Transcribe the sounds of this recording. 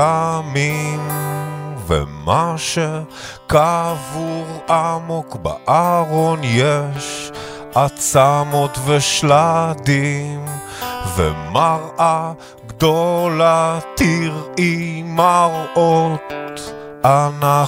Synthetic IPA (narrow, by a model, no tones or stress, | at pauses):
amim | vḛmaʃe | kavuʁamokba̰ʔaʁonjɛʃ | ʔat͡samot̪vɛʃlad̪im | vḛmaʁʔa | ɡd̪olat̪iʁimaʁʔot | ana